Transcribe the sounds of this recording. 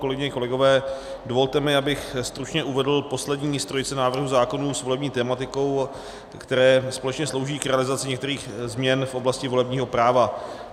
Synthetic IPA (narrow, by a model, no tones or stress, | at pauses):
kolɛɡɪɲɛko̞lɛɡo̞vɛː | do̞vo̞lt̪ɛmɪabɪxst̪ɾut͡ʃɲɛʔuvɛdl̩po̞slɛdɲiːst̪ɾo̞jt͡sɛnaːvr̩ɦuzaːko̞nuːsvo̞lɛbɲiːt̪ɛːmat̪ɪko̞w | kt̪ɛɾɛːspo̞lɛt͡ʃɲɛslo̞wʒiːkɾɛalɪzat͡sɪɲɛkt̪ɛɾiːxzmɲɛnfʔo̞blascɪvo̞lɛbɲiːɦo̞pɾaːva